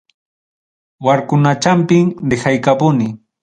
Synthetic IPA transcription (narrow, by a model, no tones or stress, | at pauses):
waɾkʊnat͡ʃampɪŋdɪxajkapʊnɪ